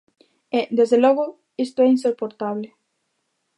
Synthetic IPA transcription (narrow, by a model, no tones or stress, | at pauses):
ed̪ezðelɔɣʊ | ist̪oɛinsopoɾt̪aβlɪ